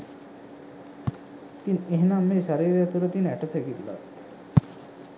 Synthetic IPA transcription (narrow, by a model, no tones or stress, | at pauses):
t̪ineɦnamːeɕaɾiːɾjat̪uɾət̪inɛʈəseɡit̪la̰t̪